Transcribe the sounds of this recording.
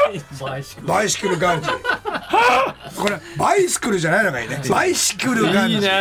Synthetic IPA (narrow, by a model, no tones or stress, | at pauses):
baisɨ̥kɯɾɯɡaɾt̪ | koɾebaisɨ̥kɯɾɯd͡ʑanajnoɡaḭːneaisi̥kɯɾɯɡa